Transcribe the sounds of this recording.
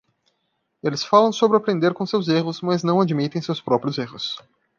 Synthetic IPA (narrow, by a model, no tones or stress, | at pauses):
elɪsfalɐ̃w̃sobɾɪapɾẽnd̪eɾkõsewzeɦʊsmɐznɐ̃w̃ad͡ʒmit̪ẽj̃sewspɾɔpɾjʊzehʊs